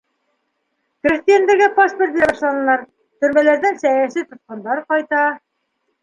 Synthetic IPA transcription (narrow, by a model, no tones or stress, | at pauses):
k̆ɾɘ̆st̪ijænd̪ɘ̆ɾɡæpɑspʲert̪æbɑʃlˠɑnɤ̆lˠɑɾ | t̪ɵ̆ɾmælæɾd̪ɘŋsæjæsit̪ŏt̪̚qɑnd̪ɑɾqɒjt̪ɑ